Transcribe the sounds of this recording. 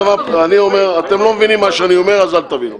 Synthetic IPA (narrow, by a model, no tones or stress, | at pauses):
mapanio̞me̞ʁat̪e̞mlo̞mevinimːaʃeanio̞me̞ʁazalt̪avinṵ